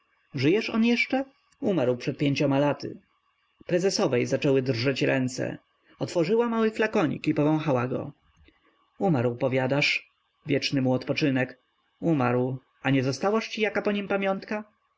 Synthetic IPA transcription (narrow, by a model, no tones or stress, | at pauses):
ʐɘjɛʂɔ̰njɛʂt͡ʂɛ | umaɾwpʂɛt̪̚pʲjeɲt͡ɕɔmalat̪ɘ̰ | pɾɛzɛsɔvɛjzat͡ʂɛwɘd̪rʐɛt͡ɕɾɛnt̪sɛ̰ | ɔt̪fɔʐɘwamawɘflakɔɲḭkipɔvɔ̃w̃xawaɡɔ̰ | umaɾwpɔvʲjad̪aʂ | vʲjɛt͡ʂnɘmuɔt̪pɔt͡ʂɘnɛk | umaɾw | aɲɛzɔst̪awaʂt͡ɕijakapɔɲimpamʲjɔnt̪ka